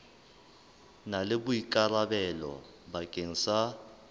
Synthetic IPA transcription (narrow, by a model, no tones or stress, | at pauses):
nalɪbʊikʼarabɛlɔ̰ | bakʼeŋ̩sa